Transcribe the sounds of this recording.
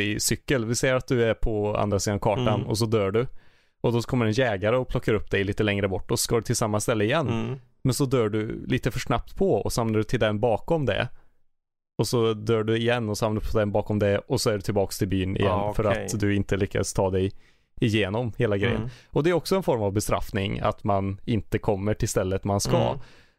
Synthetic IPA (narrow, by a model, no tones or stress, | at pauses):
ɪsʏkːəlvɪsɛjːəɾat̪̚d̪ɵæɾpʰɔa̰nd̪ɾasid̪aavkʰɑːʈanɔ̰s̬ɔd̪œːɖɵ | ɔd̪ɔkʰɔmːəɾɛnjɛːɡaɾəɔpʰlɔkːaɾɵpːd̪ɛjliːt̪əlɛŋɾəbɔʈːɔsɔskaːɖɵt̪ʰɪlsamːast̪ɛlːəɪjɛnː | mɛnsɔd̪œːɖɵlʔiːt̪əfœʂnap̚t̪pʰɔɔ̰sɔhamnaɖɵt̪ʰɪld̪ɛnbɑːkɔmd̪ɛ̰ | ɔsɔd̪œːɖɵɪjɛnːɔsɔhamnaɾɵpʰɔd̪ɛnbɑːkɔmd̪ɛɔsɔæɖɵt̪ʰɪlbɑːkst̪ʰɪlbyːnɪ̰jɛnːfœɾat̪d̪ɵɪnt̪əlʏkːa̰st̪ʰɑːd̪ɛj | ɪjeːnɔmheːlaɡɾɛ̰jːə̰nɔd̪ɛɾɔksɔɛnfɔɾmavbɛst̪ɾa̰fnɪŋa̰t̪manɪnt̪əkʰɔmːəʈʰɪlst̪ɛlːət̪manska̰